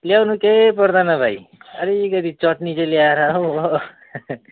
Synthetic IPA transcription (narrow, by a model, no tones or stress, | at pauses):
ljawnukepʌɾd̪anʌbʱajʌɾikʌt̪it͡sʌʈnit͡sʌljaɾaɦo